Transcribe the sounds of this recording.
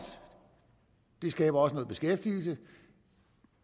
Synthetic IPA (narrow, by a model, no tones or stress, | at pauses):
d̥e̝sɡ̥ɛ̰ːb̥ɐɒ̽sənɔ̽ːð̞̩ˠb̥e̝sɡ̥efd̥iːl̩sə